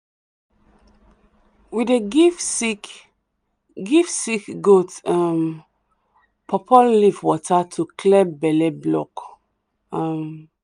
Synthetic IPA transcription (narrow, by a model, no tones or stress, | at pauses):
wideɡk | ɡifsikɡotam | pʰɔpʰɔllifwɔtʰatʰukʰlɛbɛlɛblɔk | am